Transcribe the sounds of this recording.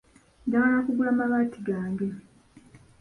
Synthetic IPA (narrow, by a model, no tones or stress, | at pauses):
aŋalakuɡulamaβaːtiɡaːŋɡe̞